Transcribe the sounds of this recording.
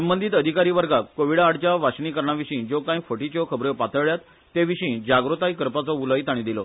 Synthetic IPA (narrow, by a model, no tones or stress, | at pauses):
səmbənd̪ʱiːt̪əd̪ʱikaɾiːʋəɾɡakkːoʋiɽaɽt͡ɕjaʋaɕɳiːkəɾɳaʋiɕĩːd͡zokãjfəʈit͡ɕɔkʰəbɾepat̪əʋɭjat̪ː | eʋiɕĩːd͡ʑaɡɾut̪aikəɾpat͡sɔuləit̪aɽ̃ĩd̪ilɔ